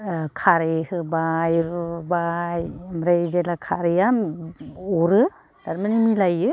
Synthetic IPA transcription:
kʰaɾehɯbajɾubajmɾejd͡ʒelakʰaɾejam | ɔɾɯ | d̥aɾmanimilajɯ

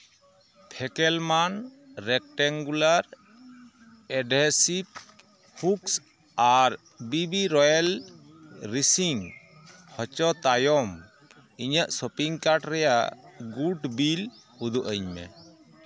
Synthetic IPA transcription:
pʰɛkɛlman | ɾɛk̚ʈɛŋɡulaɾ | ɛɖɛsip̚ | huks | aɾ | bibiɾɔjal | ɾisiŋ | hɔt͡ʃɔt̪ajɔm | iɲaʔsɔpiŋkaɾʈɾɛjaʔɡuʈbil | hud̪uʔəɲmɛ̰

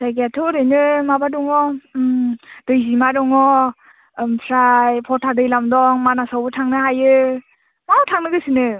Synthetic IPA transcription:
z̥ajɡeatʰɔɾɯjnɯmabadɔŋɔ | d̥ɯjzimadɔŋɔ | pʰɾajpʰɔtʰadɯjlamdɔŋmanasawbɯtʰaŋnɯɦajɯ | mawtʰaŋnɯɡɯsinɯ

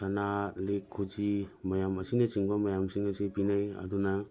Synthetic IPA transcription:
sanalekʰːud͡ʒimɐjamɐsinɐt͡ʃiŋbɐmɐjamsiŋɐsipinajɐ̰dunɐ

